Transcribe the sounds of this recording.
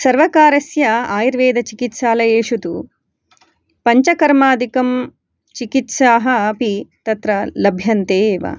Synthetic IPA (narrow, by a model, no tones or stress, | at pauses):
sɐɾʋɐkaːɾɐsjɐaːjiɾʋeːd̪ɐt͡ʃikit̪ʃaːlɐjeːʃut̪u | pɐɲt͡ʃɐkɐɾmaːd̪ikɐm | t͡ʃikit̪ʃaːɦɐpit̪ɐt̪ɾɐlɐbʱjɐnt̪eːʋɐ̰